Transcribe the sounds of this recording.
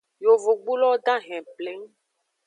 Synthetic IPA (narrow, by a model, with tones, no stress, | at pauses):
jo˨vo˨ɡ͡bu˦lɔ˦ɖã˦ɦɛ̃˨plɛ˦ŋ˦